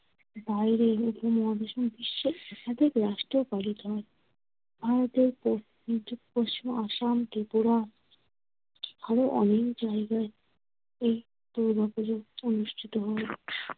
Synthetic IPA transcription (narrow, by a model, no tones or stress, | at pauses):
bajɾeupomɔɦad̪eʃombiʃːeɛʃad̪ʱekɾaʃʈeopalit̪oɦɔe | bʱaɾot̪eɾpo | it̪upoʃt͡ɕimoaʃamk̪epuɾa | aɾoʔɔ̰nekd͡ʑaeɡae | ej | t̪ud̪ʱapod͡ʑoonuʃʈʰit̪oɦɔe